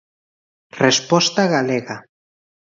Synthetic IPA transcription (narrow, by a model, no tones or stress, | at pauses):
respɔst̪aɣaleɣa